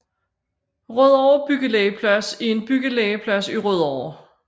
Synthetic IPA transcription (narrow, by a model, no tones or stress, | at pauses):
ʁøðˠɒʊ̰ɐb̥yɡ̥əleɪəpʰlæsie̝nb̥yɡ̥əleɪəpʰlæsiʁøð̞ˠɒʊ̰ɐ